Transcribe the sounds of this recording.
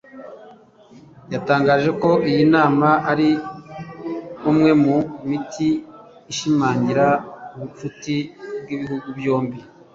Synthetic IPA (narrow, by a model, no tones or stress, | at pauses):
jataːŋɡaːʒe̞ko̞ʔijinaːmaʔaɾi | umŋe̞mumitʰiː | ʃimaːɲiɾauβut͡ʃutibɡiβiɦuɡubjo̞ːmbi